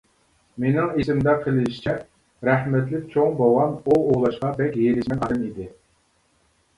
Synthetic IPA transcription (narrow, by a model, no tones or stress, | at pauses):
menɪŋesɪmd̪ɛqʰəlˠɪʃi̥t͡ʃʰɛ | ɾæhmɛt̪lɪk̚ʲt͡ʃʰoŋboʁɑnuoʁlˠɑʃqɑbɛkʲjeɾɪʃmɛnɑd̪ɨnid̪ɪ